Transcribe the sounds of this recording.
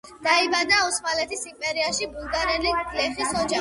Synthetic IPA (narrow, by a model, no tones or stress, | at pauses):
d̪̥aibad̪ausmalɛt̪ʰisimpʼɛɾiaʃibulˠɡaɾɛlilɛχisɔd͡ʒa